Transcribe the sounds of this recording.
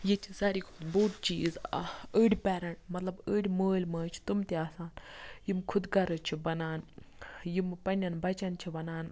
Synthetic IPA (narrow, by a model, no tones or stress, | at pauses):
jit͡ʃʰisaːɾikʰud̪boːʈ̪t͡ʃiːzəːɽʲpʲɛːɾɐɳʈmɐt̪lɐbəːɽʲməːlʲmɐːt͡ʃʰi̥t̪umt̪eaːsaːnjimkʰud̪ɡɐɾɨt͡ʃʰibɐnaːnjimpɐnʲɐnbɐt͡ʃɐnt͡ʃʰibɐnaːn